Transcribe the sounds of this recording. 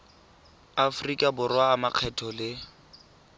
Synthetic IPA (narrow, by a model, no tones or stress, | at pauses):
afrikʼabʊrwaːmaq͡χʰɛtʰɔlɪ